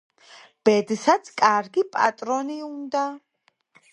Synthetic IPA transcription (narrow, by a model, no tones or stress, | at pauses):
b̥ɛd̪sat̪sʰkʼaɾɡipʼa̰t̪ʼɾɔniund̪a